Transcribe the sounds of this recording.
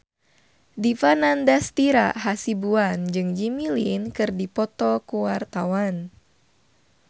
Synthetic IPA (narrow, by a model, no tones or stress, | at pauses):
difanandɛst̪iɾa̰ɦasibuand͡ʒɨŋd͡ʒimilinkɨrdipɔt̪ɔkuwart̪awan